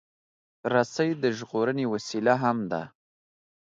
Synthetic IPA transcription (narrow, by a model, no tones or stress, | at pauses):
ɾasəjd̪əʒɣoɾənewasilaɦamd̪a̰